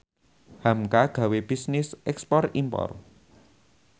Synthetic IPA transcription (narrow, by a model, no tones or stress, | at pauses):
hamkaɡ̥a̤web̥isnɪsʔɛkspɔrimpɔ̰r